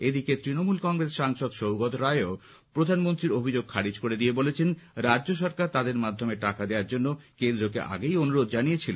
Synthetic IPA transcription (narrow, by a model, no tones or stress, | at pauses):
ed̪iket̪ɾinomulkɔŋɾesʃaŋʃɔd̪ʃowɡɔt̪ɾaeo | pɾod̪ʱanmont̪ɾiɾobʱid͡ʑoɡ̚kʰaɾid͡ʑkoɾed̪ijebolet͡ɕʰenɾad͡ʑːoʃɔɾkaɾt̪ad̪eɾmad̪ʱːomeʈakad̪eaɾd͡ʑonːokend̪ɾokḛʔa̰ɡejonuɾod̪̚d͡ʑanijet͡ɕʰilen